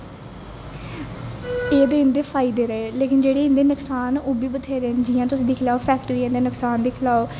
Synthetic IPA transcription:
eːd̪eːɪnd̪eːpʰaːid̪eːɾəeːleːkɪnd͡ʒeːɽeːɪ̃nd̪eːnəksaːnoːbiːbət̪ʰeːɾeːnd͡ʒiːãːt̪ʊsĩːd̪ɪkʰlaːoːpʰɛːkʈɾiːɪ̃nd̪eːnəksaːnd̪ɪkʰlaːoː

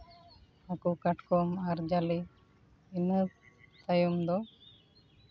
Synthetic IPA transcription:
akukaʈkɔmaɾd͡ʒaliː | nət̪ajumd̪ɔ

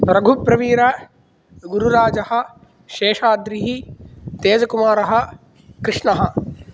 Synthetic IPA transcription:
pɾɐɡʱupɾɐʋiːɾɐ | ɡuɾuɾaːd͡ʒɐhɐ̆ | ʃeːʃaːd̪ɾiɦit̪eːd͡ʒɐkumaːɾɐɦɐ̆ | kɾɪʂɳɐɦɐ̆

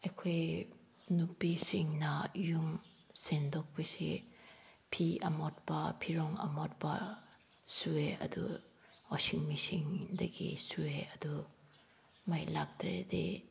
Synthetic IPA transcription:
ejkʰoj | nupisiŋnɐjum | sendɔk̚pesḭ | pʰiɐmɔt̚bɐpʰiɾɔŋɐ̰mɔt̚bɐ | sueɐ̰dṵ | osiŋmisiŋdɐɡḭsueɐdu | majlak̚tɾḛdḛ

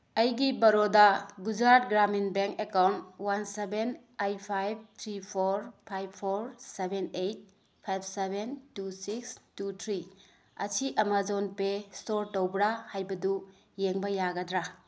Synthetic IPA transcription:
ɐjɡibɐɾodaɡud͡ʒɾat̚ɡɾaminbeŋkekawntwanseben | ajpʰajb̚t̪ʰɾipʰoɾpʰajbʰoɾsebenejt̚ | pʰajb̚ʰsebentusikstutʰɾi | ɐ̰t͡ʃʰiʔɐmad͡ʒonpestoɾtowbɾahajbɐdu | jeŋbɐjaɡɐdɾa

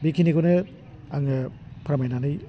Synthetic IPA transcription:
bikʰinikonɯ | aŋɯpʰɐɾamajnanɯj

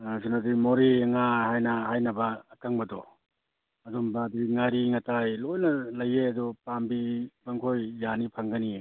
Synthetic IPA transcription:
sinadimoɾeŋahajnɐɦajnɐbaːkaŋbɐdɔ̰ | ɐdɔmbadiŋaɾiŋatajlojnɐlajeadɔpambibaŋkʰojːanipʰaŋɡani

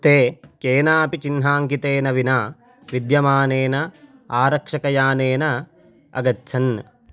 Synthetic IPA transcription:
t̪eːkeːnaːpit͡ʃinɦaːŋkit̪eːnɐʋinaː | ʋid̪jɐmaːneːnɐ | aːɾɐkʂɐkɐjaːneːnɐ | ɐ̰ɡɐtːʃʰɐn

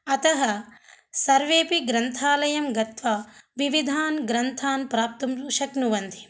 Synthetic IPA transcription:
ɐt̪ɐɦɐsɐɾʋeːpiɡɾɐnt̪ʰaːlɐjɐmɡɐt̪ʋaːʋiʋid̪ʱaːnɡɾɐnt̪ʰaːnpɾaːp̚t̪ɐmʃɐknuʋɐnd̪i̥

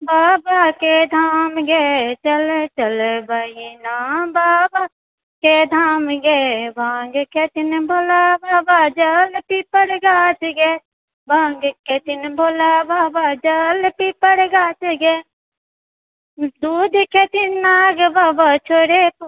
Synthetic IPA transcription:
baːbaked̪ʱaːmɡet͡ʃəlet͡ʃəlebajinaːbaːba | ked̪ʱaːmɡebãːŋɡket̪inbʱolabaːbad͡ʒəlpipəɽɡaːt͡ʃɡe | bãːŋɡket̪inbʱolabaːbad͡ʒəlpipəɽɡaːt͡ʃɡe | d̪uːd̪ʱket̪innaːɡbaːbat͡ʃʰoːɾep

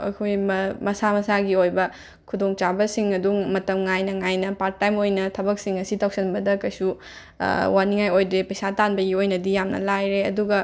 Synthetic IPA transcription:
ɐ̰kʰojmɐmɐsamɐsaɡiojbɐ | kʰudoŋt͡ʃabɐsiŋɐdumɐtɐmŋajnɐŋajnɐpaɾ̚tːajmojnɐtʰɐbɐk̚siŋɐsitʰawk̚sɐnbɐdɐkɐjsu | waniŋajojdepɐjsatanbɐɡiojnɐdijamnɐ̰lajɾeɐ̰duɡɐ

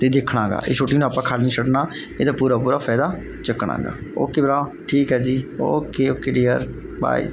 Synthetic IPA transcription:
t̪eːd̪eːkʰɽaːɡa̰ːʔet͡ʃʰoːʈːiːnũːaːpãːkʰaːlnĩːsʰəɽnaː | eːd̪aːpuːɾaːpuːɾaːfʰaːd̪aː | t͡ʃəkɽa̰ːɡa̰ːo̰ːkeːbəɾaːʈʰiːkɦɛːd͡ʒiːo̰ːkeːoːkeːɖeːəɾ | ba̰ːḭː

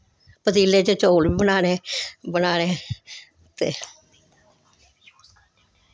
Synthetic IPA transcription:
pət̪iːleːt͡ʃet͡ʃoːlʋiːbənaːneːbənaːneː | t̪ḛː

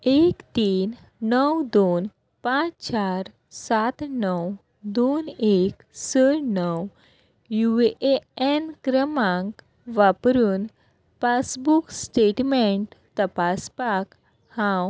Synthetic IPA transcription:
ekt̪iːnː | əwd̪on | pãt͡st͡ɕaɾ | sat̪nəw | d̪onek | səɽnəw | juʋeʔeenkɾəmãŋk | ʋapɾuːn | pasbuksʈeʈmeɳʈt̪əpaspak | hãw

